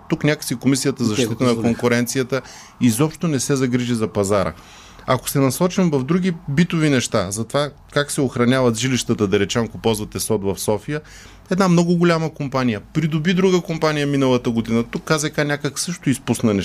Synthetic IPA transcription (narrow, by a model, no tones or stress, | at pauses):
t̪uknʲakə̥sikomisijət̪əzɐʃt̪it̪ənɐkoŋkʊɾɛnt̪sijət̪ə | izɔpʃt̪onɛsɛzɐɡɾiʒizɐpɐzaɾə̰ | ɐko̥sɛnɐsɔt͡ʃimvɐvd̪ɾuɡ̟ʲibit̪ʊvinɛʃt̪azɐt̪ova | kaksɛoxɾɐnʲavɐt̪ʒiliʃt̪ət̪əd̪ɐɾɛt͡ʃɛmkopɔzvɐt̪ɛsɔt̪vɐfsɔfijə | ɛd̪namnɔɡʊɡolʲaməkompanijəpɾid̪ʊbid̪ɾuɡəkompanijəminəlˠət̪əɡod̪inət̪ukːazɐkanʲakəksɤʃt̪ʊispusnɐnɛ